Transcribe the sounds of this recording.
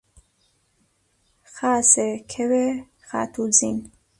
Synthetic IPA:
χaːsɛkʰɛwɛ | χa̰t̪ʰud͡zḭn

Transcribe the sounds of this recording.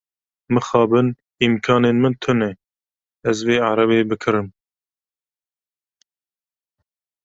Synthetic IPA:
mɨxɑːbɨn | imkʰɑːneːnmɨnt̪ʰɨnɛ | ɛzveːaɾɛβeːbɨkʰɨɾɨm

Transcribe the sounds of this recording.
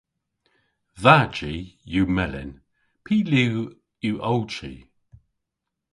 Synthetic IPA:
ðad͡ʒijuːmɛlɪ̰n | pʰiːli | juːʔowt͡ʃḭ

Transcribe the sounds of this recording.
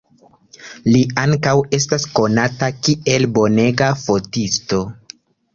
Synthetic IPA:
liaŋkawe̞s̬tasko̞natakie̞lbo̞ne̞ɡafo̞tisto̞

